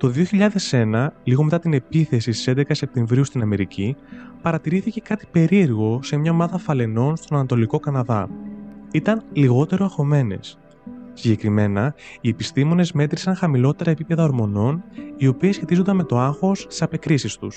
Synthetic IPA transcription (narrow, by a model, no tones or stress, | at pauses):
t̪o̞ðio̞çiʎɐðe̞se̞nɐliɣo̞me̞t̪ɐt̪ine̞piθe̞sisst̪i̥se̞nd̪e̞kɐse̞p̚t̪e̞ɱvɾiust̪inɐme̞ɾicipɐɾɐt̪iɾiθice̞kɐt̪i̥pe̞ɾie̞ɾɣo̞se̞mɲɐo̞mɐðɐfɐle̞no̞nst̪o̞nɐnɐt̪o̞liko̞kɐnɐðɐ̰ | it̪ɐnliɣo̞t̪e̞ɾoɐxo̞me̞ne̞̰s | siɲɟe̞kɾime̞nɐie̞pist̪imo̞ne̞zme̞t̪ɾisɐŋxɐmilo̞t̪e̞ɾɐepipe̞ðɐoɾmo̞no̞nio̞piesçe̞t̪izond̪ɐnmet̪o̞ɐxo̞st̪i̥sɐpe̞kɾisist̪us